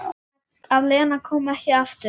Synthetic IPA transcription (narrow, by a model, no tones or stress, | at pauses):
avlɛːnakʰɔːmɛhcɪaft̪ɪ